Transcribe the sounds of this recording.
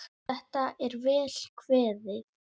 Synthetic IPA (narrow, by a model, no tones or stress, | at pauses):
θɛht̪aɛɾvɛːl̥kʰvɛːðɪ